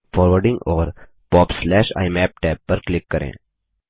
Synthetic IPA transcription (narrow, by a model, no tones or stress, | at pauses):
fʰɔːɾʋəɾɖɪ̃ŋɡɔːɾ | pɔːbslɛːʃa̰ɪmɛːp̚ʈɛpːəɾklɪkːəɾḛ̃